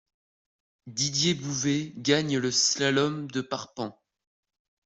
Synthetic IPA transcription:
d̪id̪jebuveɡaɲləslalɔmd̪əpaʁpɑ̃

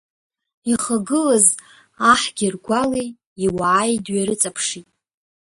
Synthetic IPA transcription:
iχaɡɨlaz | aħɡʲirɡʷalejː | waʕajdɥaɾɨt͡sʼapʰʂitʼ

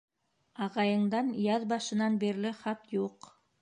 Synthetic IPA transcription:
ɑʁɑjɤ̆ɴd̪ɑnjɑðbɑʃɤ̆nɑnbiɾlɘχɑt̪juq

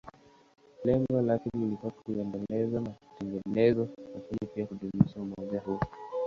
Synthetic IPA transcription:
lɛŋɡɔlakiniilikatkuɛndɛlɛzanaku̥tɛŋɡɛnɛzɔkufaɲɛpiakuɗumiʃaumɔʄahu

